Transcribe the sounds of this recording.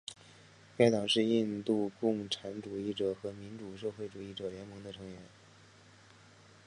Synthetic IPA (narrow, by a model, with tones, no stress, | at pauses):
pa˥˩ɪt̪ɑ˨˩ʊʂɻ̩˥˧i˥˧nt̪u˥˧kʊ˥˩ŋʈ͡ʂʰa˧˥nʈ͡ʂu˨˩i˥˩ʈ͡ʂɤ˨˩xɤ˧˥mi˧˥nʈ͡ʂu˨˩ʂɤ˥˧xwe˥˩ɪʈ͡ʂu˨˩i˥˩ʈ͡ʂɤ˨˩ljɛ˧˥nmɤ˧˥ŋd̪ə˧ʈ͡ʂʰɤ˧˥ŋɥɛ˧˥n